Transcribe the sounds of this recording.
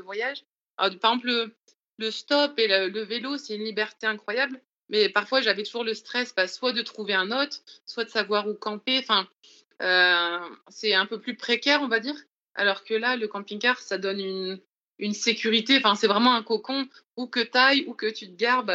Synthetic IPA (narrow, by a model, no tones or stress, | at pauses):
əvwajaʒ | ɔ̰ʁpaʁeɡzɑ̃p̬lə | ləst̪ɔpelələvelosɛtynlibɛʁt̪eɛ̃kχwajabl | mɛpaʁfwaʒavɛt̪uʒuʁləst̪χɛsbaswad̪ət̪χuveɛ̃nɔt̪χswad̪əsavwaʁukɑ̃peɑ̃fɛ̃ | ø | sɛɛ̃pøplypχekʲɛʁɔ̃vad̪iːʁ | a̰lɔʁkəlaləkɑ̃piŋkaʁsad̪ɔnyn | ynsekʲyʁit̪eɑ̃fɛ̃sɛvʁɛmɑ̃ɛ̃kɔkɔ̃ | ukət̪ajukət̪yt̪əɡaʁb